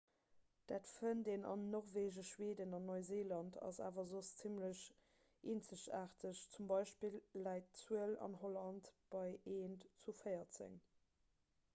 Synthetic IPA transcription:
d̥aːtfəndenɑ̰nːɔʁveːʒəʃweːdənɑnːoɪzeːlɑntʰɑ̰za̰ːvɐzost͡simləɕ | ʔeːnt͡səɕa̰ːʁtʰəɕt͡sumbɑɪʃpilːæɪtt͡suəlɑ̰nholɑntb̥ɑɪeːntt͡sufəɪɐt͡sə̰ŋ

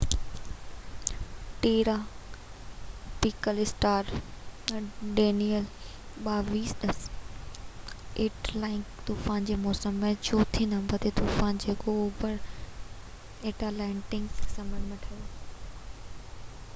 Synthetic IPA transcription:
ʈeːɾaː | piːkəlɪsʈaːɾ | ɖeːnijəl | ɓaːʋiːsɗɐs | eːʈlaːɪ̃ŋkt̪uːfaːnd͡ʑeːmɔːsəmːẽt͡ɕʰoːt̪ʰĩnd̪ãbʱɐd̪ʱet̪uːfaːnd͡ʑeːkooːbəɾ | eːʈalaɪ̃ɳʈɪ̃ŋɡssɐmənmeʈʰajo

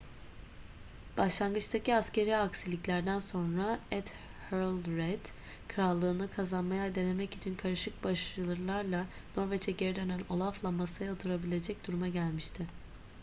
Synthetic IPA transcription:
b̥aʃlˠanɡɯt͡ʃt̪ʰaciascʰe̞ɾiaksilʲicʲlʲæɾd̪ænso̞nɾaɛt̪ | høɾlʲˠɾɛd̪̥ | kʰɯɾalˠːɯːnɯkʰazanmajad̪e̞ne̞mɛcit͡ʃʰinkʰaɾɯʃɯk̚baʃɾɯlˠɯɾlˠaɾlˠano̞ɾvɛt͡ʃʰɛɟeɾid̪ønænʲo̞lˠaflˠammːasajaot̪ʰuɾabilʲe̞d͡ʒɛc̚d̪uɾumaɟælʲmiʃt̪ʰɪ

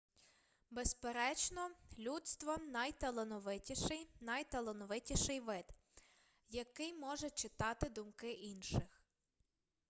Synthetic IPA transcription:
bespeɾɛt͡ʃnɔlʲudt̪st̪ʋɔnɐjt̪elˠenɔʋɪtʲiʃɪjnɐjt̪elˠɔnɔʋɪtʲiʃɪjʋɪd̪ | jɐkɪjmɔʒɛt͡ʃɪt̪ɑt̪ɪd̪ʊmkɪʔinʃɪx

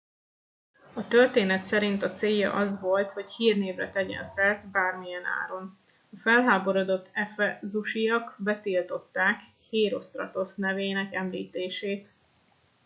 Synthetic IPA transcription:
ɒt̪ørt̪eːnɛt̪sɛɾint̪ɒt̪seːjːɒ̰ʔɒzʋo̞lt̪ho̞chiːrneːvrɛ̰t̪ɛɟɛ̰nsɛrt̪baːrmijɛna̰ːɾo̞n | ɒfɛlɦaːbo̞ɾo̞d̪o̞t̪ːɛfɛzuʃijɒkbɛt̪ilt̪o̞t̪ːaːk | heːɾo̞st̪rɒ̰t̪o̞snɛveːnɛkɛmlḭːt̪eːʃeːt̪

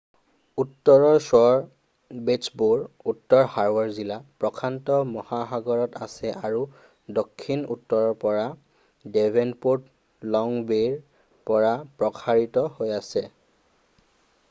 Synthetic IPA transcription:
utːɔɹɔɹsɔɹ | besbuɹutːɔɹhaɹbaɹzilapɹɔkʰantɔmɔhaxaɡɔɹɔtasɛʔaɹu | dokʰːinṵtːɔɹɔɹpɔɹa | debʱenpuɹt | lɔŋbeɹ | pɔɹapɹɔkʰaɹitɔhojasɛ

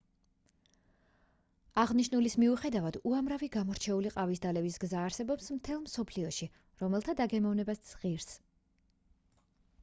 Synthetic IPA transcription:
aʁniʃnulismiuχɛd̪avad̪uamɾaviɡamɔɾt͡ʃʰɛuliqʼavisd̪alɛbisɡzaːɾsɛbɔpsmt̪ʰɛlˠmsɔpʰliɔʃi | ɾɔmɛlˠt̪ʰad̪aɡɛmɔvnɛbasd̪z̥ʁiɾs

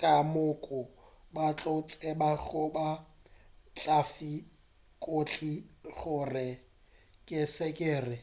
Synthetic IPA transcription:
kʼamʊkʼʊbat͡ɬʼʊt͡sʼɛbaɣʊba | t͡ɬʼafi | kʼot͡ɬʼiɣʊrɪ | kʼɪsɛkʼeːrɪ

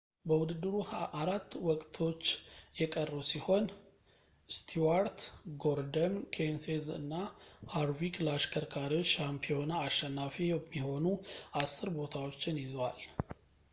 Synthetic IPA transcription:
bəwʊd̪ɨd̪ːɨɾuʔaɾat̪ːwɔkʼt̪ʰo̞t͡ʃːjɛkʼərːusiho̞n | st̪ʰiwaɾt̪ɡo̞ɾd̪əmkʰensezɨ̰nːahaɾwiklaʃkʰəɾkʰaɾiʃampʰijo̞naːʃːɛnːafijɛmːiho̞nuasːɨɾbo̞t̪ʰawo̞t͡ʃːɪnjɪzwal

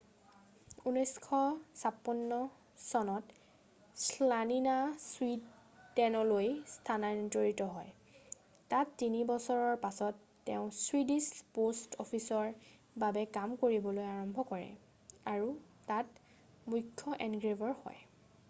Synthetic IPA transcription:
unɔjskʰɔsapɔnːɔ | sɔnɔt | slaninaswitː | ɛnɔlojstʰanad͡ʒoɹitɔɦɔj | tatːinibɔsɔɹɔɹpasɔtːeʊ̃swidispostɔpʰisɔɹ | babɛkamkoɹibɔlojaɹɔmbʱɔkɔɹɛ̰ | aɹu | tat | mukʰːɔʔɛnɡɹebɔɹhɔ̰j

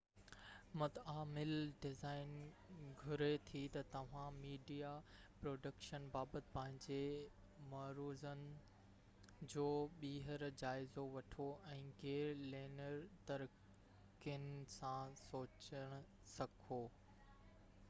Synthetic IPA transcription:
mɐt̪aːmɪlɖɪzaːɪn | ɡʱʊɾet̪ʰit̪ɐt̪ɐʋ̤ãmiːɖijapɾoːɖəkʃənbaːbət̪ɪ̥̆pɐ̃ɦɪ̃ɲd͡ʑe | mɐɾuːzənɪ̆ | d͡ʑoːɓiːɦəɾd͡ʑaːɪzoʋɐʈʰoʔɛ̃ːɡeːɾleːnəɾt̪ɐɾ | kɪnɪsãsoːt͡ɕəɽ̃ʊ | sɐkʰoː

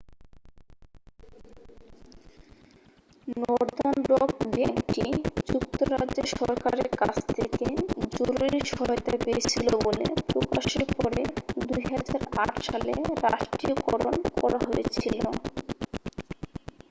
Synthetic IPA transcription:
nɔɾd̪ɔnbɾokbeŋʈid͡ʑukt̪oɾad͡ʑʑeʃɔɾkaɾeɾkat͡ɕʰt̪ʰeked͡ʑoɾuɾiʃɔɦɔjt̪apeet͡ɕʰilobolḛpɾokaʃeɾpɔɾed̪ujɦad͡ʑaɾaʈʃaleɾaʃʈɾiokɔɾonkɔɾaɦoet͡ɕʰilo

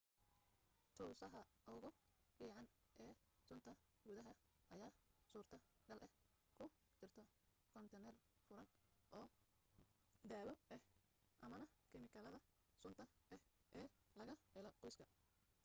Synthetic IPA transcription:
t̪ʰuːsɐɦɐ | ɐwɣɔfiːʕɑn | ʔɛː | sʊnt̪ʰɐ | ɡʊðɐɦɐʔɐjaːsuːrt̪ʰɐɡɐlʔɛh | kʰʊ | t͡ʃɪrt̪ʰɔ | kʰɔnt̪ʰɛnɛrfʊɾɐnʔɔː | d̪aːlɔʔɛh | ʔɐmɐnɐkʰɪmɪkʰɐlɐðɐ | sʊnt̪ʰɐʔɛhʔɛːlɐɣɐħɪlɔqɔjskʰɐ

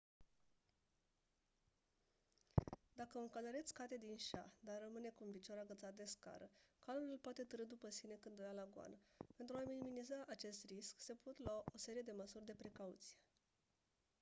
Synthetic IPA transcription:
d̪akəɨŋkaləɾet̪sʲkat̪e̞d̪inʃa̰d̪arrəmɨne̞kuɨnvit͡ʃaɾaɡət̪sat̪̚d̪eska̰ɾəkalululpoat̪e̞t̪əɾɨd̪upəsine̞kɨnd̪ujalaɡoa̰nəpe̞nt̪ɾuaminiminizaʔat͡ʃe̞st̪risksepʰot̪lwaʔo̞se̞ɾije̞d̪e̞məsurʲd̪e̞pɾe̞kaut̪sije̞

